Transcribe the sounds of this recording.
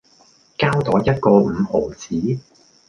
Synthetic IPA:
kaː˥wt̪ɔː˨˥jɐ˥t̚kɔː˧m̩ː˨˧ho˨˩wt͡sʰiː˨˥

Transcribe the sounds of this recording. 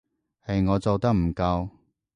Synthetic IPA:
hɐ˨jŋɔː˨˧t͡so˨˧wt̪ɐ˥k̚m̩˨˩kɐ˧w

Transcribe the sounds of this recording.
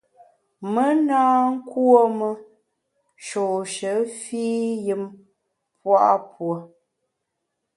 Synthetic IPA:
mə˦naː˦ŋ̩˦kwo˦mə˦ | ʃo˨ʃə˨˦fiː˦jɨ˨m | pwa˦ʔpwo˨

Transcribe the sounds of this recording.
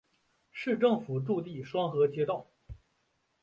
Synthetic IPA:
ʂɻ̩˥˧ʈ͡ʂɤ˥˩ŋfu˨˩ʈ͡ʂu˥˧t̪i˥˩ʂwɑ˥ŋxɤ˧˥t͡ɕjɛ˥t̪ɑ˥˩ʊ

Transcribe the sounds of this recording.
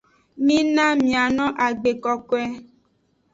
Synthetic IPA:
mĩ˦nã˦mĩ˨a˨nɔ̃˦ʔa˨ɡ͡be˨kɔ˨ko˦ɛ˦

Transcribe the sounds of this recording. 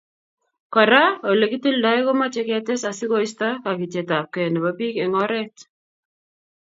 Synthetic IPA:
ka˨ɾa˦o˨le˨ki˦ti˦lda˦ɪ˦kɔ˦ma˦t͡ʃɛ˦kɛ˦tɛ˦sa˨sɪ˦ko˦ɪ˦sta˦ka˨ki˨t͡ʃɛ˨ta˨p̚kɛ˨nɛ˨ba˨pi˦kɛ˨ŋɔ˦ɾɛ˦t

